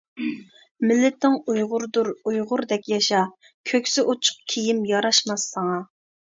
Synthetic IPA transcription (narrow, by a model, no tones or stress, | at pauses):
mɪlːɪt̪nɪŋujʁʊɾd̪uɾujʁʊɾd̪ɛkʲjɑʃɑ | kʲʰøkʲsɪʔot͡ʃʰʊ̥q̚kʲʰijimjɑɾɑʃmɑsːɑŋɑ